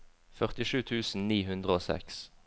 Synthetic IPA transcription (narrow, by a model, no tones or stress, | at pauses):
fœʁt̪ɪʃʉːt̪ʰʉːsn̩niːɦʉnd̪ʁəoːsɛ̰ks